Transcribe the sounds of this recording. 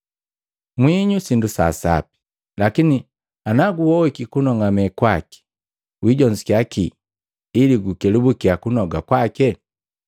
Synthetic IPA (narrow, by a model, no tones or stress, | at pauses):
mwiɲusindusa̰sa̰pi̥ | lakini | anaɡuwɔwikikunɔŋamɛkwaki̥ | wiɟɔɲzikakiː | liɡukɛlubukiakunɔɡakwakɛ